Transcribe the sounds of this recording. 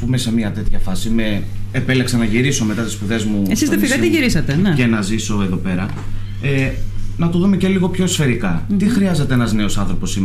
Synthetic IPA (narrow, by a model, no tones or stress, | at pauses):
pume̞se̞miɐt̪e̞t̪çɐfɐsime | epeleksɐnɐʝiɾiso̞me̞t̪ɐt̪i̥spuðe̞zmuesizðefiɐt̪iʝiɾisɐt̪eneenɐziso̞e̞ðo̞pe̞ɾɐ | enɐt̪oðume̞ce̞liɣo̞pço̞isfe̞ɾikɐt̪ixɾiɐze̞t̪e̞enɐzne̞osɐnθɾo̞po̞sim